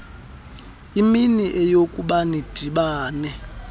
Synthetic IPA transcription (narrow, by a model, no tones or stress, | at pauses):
iminiʔɛjokʼuɓanid̥ʱiɓaːnɛ